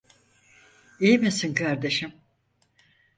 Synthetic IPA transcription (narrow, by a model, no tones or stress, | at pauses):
ejmisinkʰaɾd̪e̞ʃim